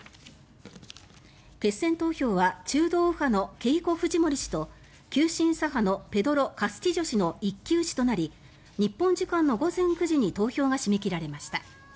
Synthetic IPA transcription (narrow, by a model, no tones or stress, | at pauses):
ke̞sːẽ̞nt̪o̞ːço̞ːβat͡ɕɨːd̪o̞ːɯ̟hano̞ke̞iko̞ɸɯ̟ʑimo̞ɾʲiɕi̥t̪o̞ | kʲɨːɕĩɰ̃saɦano̞pe̞d̪o̞ɾo̞kasɨ̥kʲiʑo̞ɕino̞ikʲːɨːɕi̥t̪o̞naɾʲi | ɲ̟ipːõ̞ɲ̟d͡ʑikãnːo̞ɡo̞zẽ̞ŋkɯ̟ʑiɲ̟it̪o̞ːçʲo̞ːɡaɕimekʲiɾaɾe̞maɕi̥t̪a